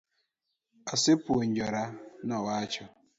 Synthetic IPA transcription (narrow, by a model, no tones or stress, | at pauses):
asɪpʊoɲ̩d͡ʒɔɾanawat͡ʃɔ